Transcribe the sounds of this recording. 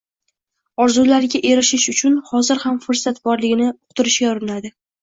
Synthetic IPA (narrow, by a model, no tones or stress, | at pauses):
ɒɾzulaɾɡʲaʔe̞ɾɪʃɪʃʊt͡ʃʰʊnhɒzɪɾhamfʊɾsat̪bɒɾlɪɡʲɪnɪʊqt̪ʊɾɪʃɡʲaʊɾɪnad̪ɪ